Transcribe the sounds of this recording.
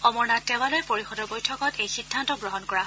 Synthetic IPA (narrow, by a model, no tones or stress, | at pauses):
ɔmɔɹnatɛwalojpoɹixɔdɔɹbojtʰɔkɔtejxidʱːantɔɡɹɔɦɔnkɔɹa